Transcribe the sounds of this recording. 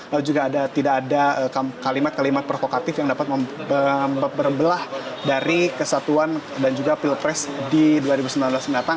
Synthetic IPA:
lalud͡ʒuɡaːdat̪idakːdaəkakalimat̪̚kalimat̪̚pɾofokat̪ɪfjaŋdapat̪̚məəbəbərbəlahdaɾikəsat̪uandand͡ʒuɡapilpɾɛsdiduaɾibusəmbilanblasəmdat̪a

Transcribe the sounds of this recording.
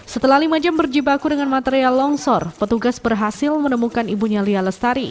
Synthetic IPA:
sət̪əlahlimad͡ʒambərd͡ʒibakudəŋanmat̪eɾialːɔŋsɔrpət̪uɡasbərɦasɪlmənəmukanibuɲalialəst̪aɾi

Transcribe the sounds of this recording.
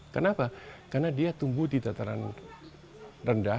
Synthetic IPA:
kənapakarnadiat̪umbuhdit̪at̪aɾa̰n | rənda

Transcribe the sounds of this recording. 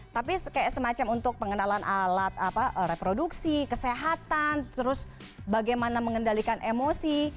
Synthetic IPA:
t̪apiskajaʔsəmat͡ʃamunt̪ʊk̚pəŋənalanʔalat̪̚apaʔəɾepɾoduksikəseɦat̪ant̪əɾʊs | baɡajmanaməŋəndalikanʔemosi

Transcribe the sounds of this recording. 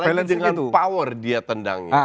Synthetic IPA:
laldəŋanpawərdiat̪ənda̰ŋɲa

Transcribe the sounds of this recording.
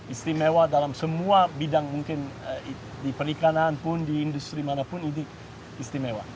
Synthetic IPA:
ist̪imewadalamsəmuabidaŋmuŋkɪni | dipəɾikananpʊndiːndust̪ɾimanapʊnini | ist̪imewa̰

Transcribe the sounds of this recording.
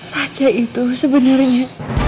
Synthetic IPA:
rat͡ʃait̪usəbənarɲa

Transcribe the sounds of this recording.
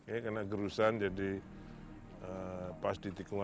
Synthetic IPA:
jakarnaɡəɾusand͡ʒadi | əpasdit̪ikuŋa

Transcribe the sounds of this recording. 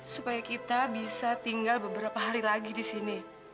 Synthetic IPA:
supajakit̪abisat̪iŋɡalbəbəɾapaɦaɾilaɡidisini

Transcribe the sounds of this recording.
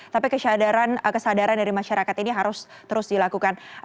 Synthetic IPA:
t̪apikəʃadaɾankəsadaɾandaɾimaʃaɾakat̪iniɦaɾʊs | t̪əɾʊsdilakukan

